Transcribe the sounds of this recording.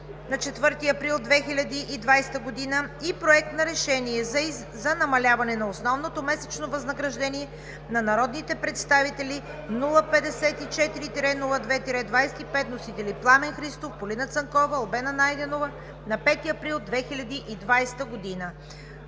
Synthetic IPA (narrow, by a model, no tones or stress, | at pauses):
nɐt͡ʃɛt̪vɤɾt̪iɐpɾilˠd̪vɛxilʲɐd̪iʔid̪vajst̪əɡod̪inəipɾoɛk̚t̪nɐɾɛʃɛniɛ | zɐnɐmɐlʲavɐnɛnɐosnɔvnot̪omɛsɛt͡ʃnovɐznɐɡɾɐʒd̪ɛniɛ | nɐnɐɾɔd̪nit̪ɛpɾɛt̪st̪avit̪ɛli | nulˠəpɛd̪ɛsɛt̪it͡ʃɛt̪iɾit̪iɾɛnulˠəd̪vɛt̪iɾɛd̪vajsɛ̥t̪ipɛt̪nosit̪ɛliplˠamɛnxɾist̪ofpolinət̪səŋkɔvəobɛnɐnajd̪ɛnovə | nɐpɛt̪iɐpɾilˠd̪vɛxilʲɐd̪iʔid̪vajst̪əɡod̪inə